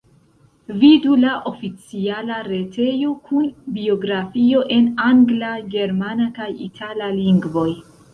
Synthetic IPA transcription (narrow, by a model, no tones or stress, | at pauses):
vidulaʔo̞fit͡sialaɾe̞tʰe̞jo̞kʰunbio̞ɡɾafio̞ʔe̞naŋɡlaɡe̞ɾmanakajḭtʰalaliŋɡvo̞j